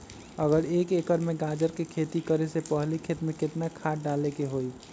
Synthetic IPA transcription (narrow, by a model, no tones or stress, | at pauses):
əɡəɾekekəɾmeɡad͡ʒəɾkekʰet̪ikəɾesepəɦlikʰet̪mẽket̪nakʰaʈ̚ɖalekeɦoi